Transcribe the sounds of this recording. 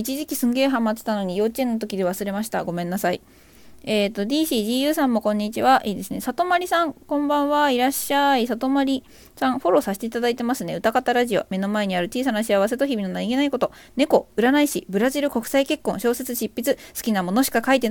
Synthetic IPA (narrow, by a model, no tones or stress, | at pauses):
it͡ɕiʑikʲisɨ̃ŋɡe̞ːɦãmːat͡sɨ̥t̪ano̞ɲ̟ijo̞ːt͡ɕiẽ̞nːot̪̬o̞kʲid̪e̞βasɨɾe̞maɕi̥t̪a̰ɡo̞mẽ̞nːasaḭ | eːt̪ːo̞d̪ʲiːɕiːʑiːjɯ̟ːsãmːo̞kõ̞ɲ̟ːit͡ɕiβaʔiːd̪esɨne̞sat̪omaɾʲisãŋkõ̞mbãɰ̃βaiɾaɕːaisat̪o̞maɾʲi | sãɰ̃ɸo̞ɾo̞saɕi̥t̪e̞it̪ad̪ait̪e̞masɨne̞ɯ̟t̪akat̪aɾaʑio̞̰me̞no̞mae̞ɲ̟iaɾɯ̟t͡ɕiːs̬anaɕiaβ̞as̬e̞t̪oçibʲino̞naiɡe̞naiko̞t̪o̞ | ne̞ko̞ɯ̟ɾanaiɕibɯ̟ɾaʑiɾɯ̟ko̞kɯ̥saike̞kːõ̞ɕo̞ːse̞t͡sɨɕipːit͡sɨsɨ̥kʲinamo̞no̞ɕi̥kakait̪e̞n